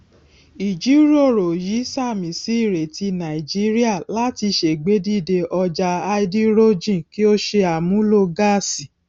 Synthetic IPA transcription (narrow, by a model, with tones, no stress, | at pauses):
i˨d͡ʒi˨˦ɾo˦˨ɾo˨ji˨˦sa˦˨mĩ˨˦si˨˦i˦˨ɾe˨ti˧nã˨i˨d͡ʒi˦ɾi˦a˦˨la˨˦ti˧ʃe˨ɡ͡be˨˦di˦˨de˧ʔɔ˧d͡ʒa˧a˧i˦di˦ɾo˦d͡ʒĩ˦˨ki˦o˦ʃe˧a˨mũ˦lo˦˧ɡa˦˨si˨